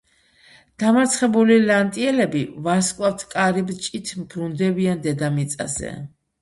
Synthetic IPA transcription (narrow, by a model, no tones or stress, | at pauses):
d̪̥amaɾt̪sʰχɛbulilant̪ʼiɛlɛbivaskʼwaft̪ʰkʼaɾibt͡ʃʼit̪ʰmbɾund̪ɛbiand̪ɛd̪amit̪sʼa̰zɛ̰